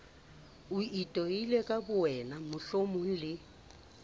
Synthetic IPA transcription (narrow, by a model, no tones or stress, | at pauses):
ʊitʼɔilɛkʼabʊɛnamʊɬomʊŋ̩lɪ